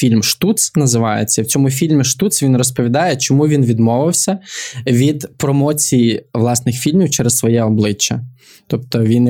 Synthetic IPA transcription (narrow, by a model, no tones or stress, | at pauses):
fʲilʲmʃt̪ut̪snɐzɪʋɑjḛt͡sʲːɐwt͡sʲɔmʊfʲilʲmʲiʃt̪ut̪sʋʲinrɔspɔʋʲid̪ɑjɛt͡ʃɔmuʋʲinʋʲid̪mɔʋɪwsʲɐʋʲid̪pɾɔmɔt͡sʲijiʋlˠɑsnɪxfʲilʲmʲiwt͡ʃɛɾɛssʋɔjɛɔblˠɪt͡ʃːɐ | t̪ɔpt̪ɔʋʲin